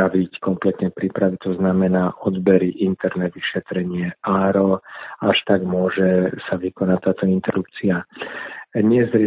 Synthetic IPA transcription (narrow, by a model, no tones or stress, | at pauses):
aʋickɔmplɛt̪ɲɛpɾipɾaʋit̪ɔznamɛnaːʔɔd̪bɛɾiʔint̪ɛɾnɛʋiʃɛt̪ɾɛɲɪɛaːɾɔaʃt̪aɡmʊɔʒɛsaʋikɔnact̪aːt̪ɔint̪ɛɾup̚t͡sia | ɲɪɛzɾi